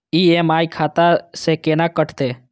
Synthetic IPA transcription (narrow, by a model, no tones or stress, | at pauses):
iːeːmaːjkʰaːt̪asekeːnaːkəʈʰt̪eː